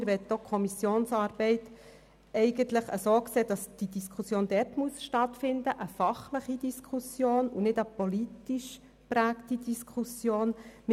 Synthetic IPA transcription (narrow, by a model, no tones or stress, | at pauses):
ɾʋɛtːokʰχɔmisjoːnsɑːɾb̥ɛɪt̪ | ɛɪɡənt̪ləχə̰soːkseːd̥ɑsd̥id̥iskʰusjoːnd̥ɛrtmuəsʃtɑtfɪndəʔəfɑχləχid̪iskʰusjoːnunɪdəpolitiʃ | pɾæːktid̪iskʰusjoːnm